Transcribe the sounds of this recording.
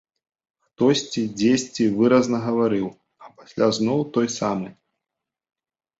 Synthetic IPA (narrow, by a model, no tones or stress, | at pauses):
xt̪ɔsʲt͡sʲid͡zʲesʲt͡sʲivɨɾɐznɐɣɐvaɾɨw | ɐpasʲlʲaznɔwt̪ɔjsamɨ